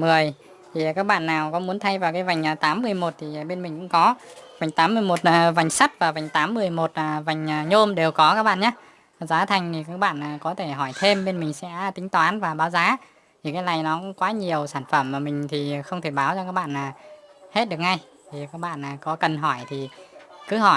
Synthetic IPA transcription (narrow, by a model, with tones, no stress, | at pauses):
mɨ˨˩əj | t̪ʰi˨˩kaː˦˥k̚ɓa̰ː˧˨nːaː˨˩wkɔ˨˦mu˨˦ənt̪ʰa˧jvaː˨˩wkaː˨˦jva˨˩jŋ̟ʔːt̪aː˨˦mːɨ˧˩əjmo˨˩t̚t̪ʰi˨˩˨ɓe˧nmï˨˩ŋ̟kʊ̰˧˥ŋ͡mkɔ˨˦va˨˩jŋ̟t̪aː˨˦mːɨ˧əjmo˨˩t̚ːva˨˩jŋ̟sa˦˥t̚vaː˨˩va˨˩jŋ̟t̪aː˨˦mːɨ˨˧˩əjmo˨˩t̚aː˨˩va˨˩jŋ̟ʔːɲo˧mɗe˨˩wkɔ˨˦kaː˦˥k̚ɓa̰ː˧˨nɲaː˨˦˨ | zaː˨˦t̪ʰa˨˩jŋ̟t̪ʰi˨˩kaː˦˥k̚ɓa̰ː˧˨nʔaː˨˩kɔ˨˦t̪ʰe˧˩ɦɔ˧˩jt̪ʰe˧mɓe˧nmï˨˩ŋ̟sɛ̰˧˥t̪ï˨˦ŋ̟t̪waː˨˦nvaː˨˩ɓaː˨˦wzaː˨˦ | t̪ʰi˨˩kaː˨˦jlna˨˩jnɔ˨˦kʊ̰˧˥ŋ͡mkwaː˨˦ɲi˨˩əwsaː˧˩nfə˧˩mmaː˨˩mï˨˩ŋ̟t̪ʰi˨˩˨xə˧wŋ͡mt̪ʰe˧˩ɓaː˨˦wt͡ɕɔ˧kaː˦˥k̚ɓa̰ː˧˨nʔaː˨˩he˦˥t̚ɗɨ˨˩ək̚ŋa˧j | t̪ʰi˨˩kaː˦˥k̚ɓa̰ː˧˨nʔaː˨˩kɔ˨˦kə˨˩nɦɔ˧˩jt̪ʰi˨˩kɨ˨˦ɦɔ˧˩j